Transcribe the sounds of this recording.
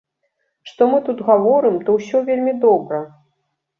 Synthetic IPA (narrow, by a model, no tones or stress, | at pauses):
ʂt̪ɔmɨt̪ut̪ɣavɔɾɨmt̪ɔwsʲɔvʲelʲmʲid̪ɔbɾɐ